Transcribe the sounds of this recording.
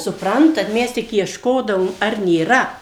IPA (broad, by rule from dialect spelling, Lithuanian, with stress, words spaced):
sʊˈprɐntɐt ˈmʲɛs tʲɪk iɛʃˈkoːdɐʋoːm ɐr nʲeːˈrɐ